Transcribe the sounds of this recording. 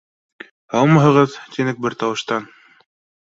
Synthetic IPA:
hɑlˠmɑɦɤ̆ʁɤðt̪inɘk̚bɘɾt̪ɑwɤ̆ʃt̪ɑn

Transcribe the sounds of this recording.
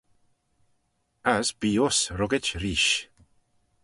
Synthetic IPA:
asb̥iːʊsɾɔɡɪt͡ʃɾiːʃ

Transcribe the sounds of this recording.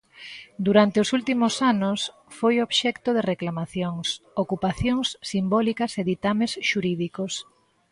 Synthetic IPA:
d̪uɾant̪eʊsult̪imʊsanʊs | fojoβʃɛkt̪ʊðereklamaθjoŋsokupaθjoŋsːimbɔlikɐseðit̪amesʃuɾiðikos

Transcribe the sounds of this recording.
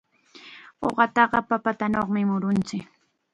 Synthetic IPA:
o̰ɢɑt̪ɑɢɑpapat̪anoχmɪmʊɾʊnt͡sɪk

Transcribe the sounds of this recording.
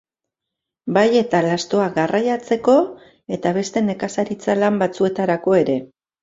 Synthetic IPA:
baje̞t̪alast̪o̞aɣarajat͡se̞ko̞ | e̞t̪aβ̞e̞st̪e̞ne̞kasaɾit͡salambat͡sue̞t̪aɾako̞e̞ɾe̞

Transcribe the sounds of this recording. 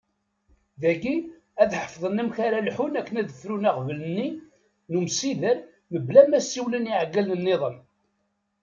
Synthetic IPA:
ðæɡi | æðħə̥fðˤənæmçaɾalħunækːənæðəθɾunæqvələnːi | numsiðəɾ | məblæmæsːiwləniʕɡːælənːɪðˤən

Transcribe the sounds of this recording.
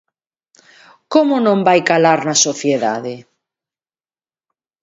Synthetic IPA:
komonõmbajkalaɾnasoθjeða̰ðe

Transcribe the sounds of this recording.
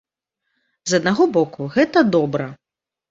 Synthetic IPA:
zɐd̪̚naɣɔbɔkuɣɛt̪ɐd̪ɔbɾɐ

